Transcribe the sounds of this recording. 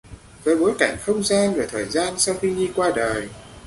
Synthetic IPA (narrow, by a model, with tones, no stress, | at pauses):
vəː˨˦jɓo˨˦jka˧˩jŋ̟xə˧wŋ͡mzaː˧nvə˨˩t̪ʰəː˨˩jzaː˧nsa˧wxi˧ɲi˧kwaː˧ɗəː˨˩j